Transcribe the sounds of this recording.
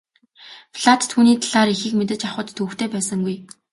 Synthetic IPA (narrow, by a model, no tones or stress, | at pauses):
fɮat̪ʰːuːniːt̪ʰaɮaːɾixiːkmet̪̬ɘ̆t͡ɕaχʊ̆t̪ʰːuːxt̪ʰeːpæːsə̆ŋɡuj